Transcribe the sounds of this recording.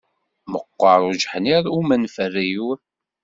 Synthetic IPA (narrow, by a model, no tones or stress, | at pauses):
məqːəɾˤud͡ʒħniɾˤumænfərːijuɾ